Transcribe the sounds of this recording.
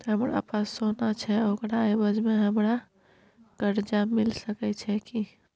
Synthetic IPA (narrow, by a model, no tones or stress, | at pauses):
t̪ɦəmɾa̰pasonat͡ʃʰɛokɾaebəd͡ʒmeɦəmɾa | kəɾd͡ʒamilsəkɛt͡ʃʰɛki